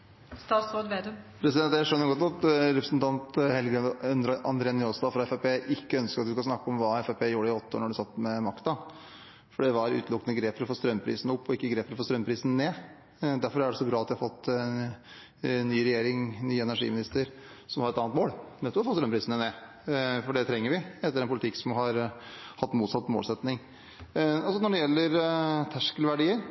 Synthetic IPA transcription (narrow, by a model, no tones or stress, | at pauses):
st̪ɑːt̪sɾoːd̪ʋeːd̪əpʰɾɛsɪd̪ɛnt̪ːjæʂœnːəɾɡɔt̪ɔt̪ɾɛpɾəsnt̪ʰɑnt̪hɛlɡɛnd̪ɾʔɑ̰nd̪ɾeːnjoːsd̪ɑfɾɑɛfɛpʰeːʔɪkːəœnskəɾɑt̪d̪ʉskɑsnɑkːəɔmʋɑːɛfɛpʰeːjuːɾəɪɔt̪ːəo̰ːɳɔɖʉsɑt̪ːmɛmɑkt̪ɑ | fɔɖɛʋɑɾʉ̰ːt̪lʊkːənəɡɾeːpfəɾɔfoːst̪ɾœmːpʰɾḭːsnʊpːɔɪkːəɡɾeːpːəɾɔfoːst̪ɾœmpʰɾiːsn̩neː | d̪æɾfɔɾæɾɖɛɔsːɔɡlɑːɑt̪d̪æhɑfɔt̪ː | nyːɾɛjeːɾɪŋnyːəɛnæʂḭːmɪnɪst̪əɾ | sɔmhɑɾɛt̪ɑːnt̪moːɽnɛt̪ːɔfoːst̪ɾœmːpʰɾiːsən̩əneː | fɔɖɛt̪ʰɾɛŋːəɾʋɪɛt̪ːəɾɛnpʰʊlɪt̪ʰɪkːsɔmɦɑɾhɑt̪ːmuːt̪sɑt̪ːmo̰lsɛt̪nɪŋ | ɔlsɔnɔɖɛjɛlːəɾt̪ʰæʂkəlʋæɖiːəɾ